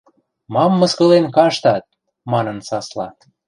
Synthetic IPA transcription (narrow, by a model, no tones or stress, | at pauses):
mɑmːɤ̆skɤ̆lenkɑʃt̪ɑt̪̚ | mɑnɤ̆nsɑslɑ̰